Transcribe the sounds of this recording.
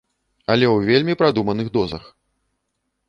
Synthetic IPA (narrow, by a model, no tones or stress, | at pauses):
ɐlʲɛwvʲelʲmʲipɾad̪umɐnɨɣd̪ɔzɐ̰x